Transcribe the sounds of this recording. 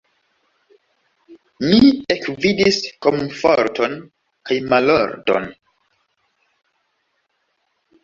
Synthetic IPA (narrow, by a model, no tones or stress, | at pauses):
miekvidisko̞mfoɾto̞n | kajmalo̰ɾdo̞̰n